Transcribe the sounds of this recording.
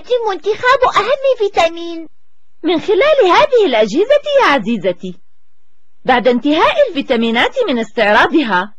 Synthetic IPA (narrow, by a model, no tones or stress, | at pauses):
d̪ɪmʊnt̪ɪxaːbʔaɦamːɪfiːt̪amiːn | mɪnxɪlaːlhaːðɪhɪlʔad͡ʒhɪzajaːʕaziːzat̪i | baʕd̪ant̪ɪɦaːʔɪlfiːt̪amiːnaːt̪mɪnɪst̪ɪʕɾˤɑːd̪ɪɦaː